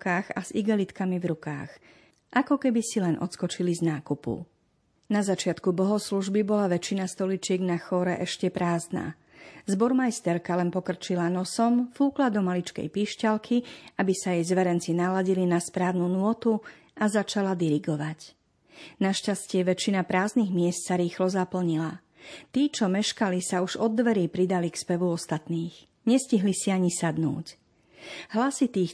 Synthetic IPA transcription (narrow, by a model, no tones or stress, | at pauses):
kaːxa̰z̥iɡɛlit̪kamivɾuka̰ːx | ʔakɔkɛbisilɛnʔɔ̰t̪skɔt͡ʃiliznaːkupṵ | nazat͡ʃɪat̪kubɔɦɔsluʒbibɔlaʋɛt͡ʃinast̪ɔlit͡ʃɪɛɡnaxɔːɾɛʔɛʃcɛpɾaːzna̰ː | zbɔɾmajst̪ɛɾkalɛnpɔkr̩t͡ʃilanɔsɔmfuːklad̪ɔmalit͡ʃkɛ̰jpiːʃcalkʰiabisajɛjzʋɛɾɛnt͡sinalaɟilinaspɾaːʊnunʊɔt̪u | azat͡ʃalad̪iɾiɡɔʋac | naʃcascɪɛʋɛt͡ʃinapɾaːzniɣmɪɛst̪saɾiːxlɔzapl̩ɲila | t̪iːt͡ʃɔmɛʃkalisauʒɔd̪ːʋɛɾiːpɾid̪alikspɛʋuɔst̪at̪niːx | ɲɛsciɦlisiaɲisad̪nṵːc | ɦlasit̪iːx